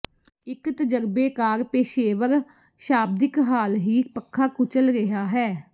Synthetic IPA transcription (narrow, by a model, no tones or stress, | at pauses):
ɪkt̪əd͡ʒəɾbeːkaːɾpeːʃeːʋəɾ | ʃaːb̚d̪ɪkɦaːlɦiːpəkʰːaːkʊt͡ʃəlɾɪɦaːɦɛː